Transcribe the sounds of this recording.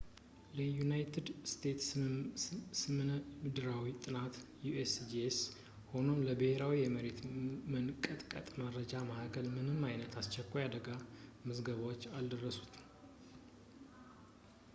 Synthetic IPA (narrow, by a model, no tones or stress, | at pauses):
ləjunajt̪ʰɨd̪st̪ʰe̞t̪s | sɨmmɨd̪ɨɾawit̪ʼɨnat̪juʔesd͡ʒes | ho̞no̞mləbəheɾawijɛməɾet̪mɨnkʼːət̪ʼkʼə̰t̪ʼməɾəd͡ʒaməhakʰəlmɨnɨmːajnət̪ast͡ʃːɛkʷːajad̪əɡaməzɡəβawot͡ʃːald̪ərːəsu̥t̪ʰ